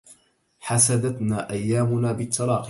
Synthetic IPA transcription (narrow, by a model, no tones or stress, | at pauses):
ħasad̪at̪naːʔajːaːmʊnaːbɪt̪ʰːɑɾˤɑːq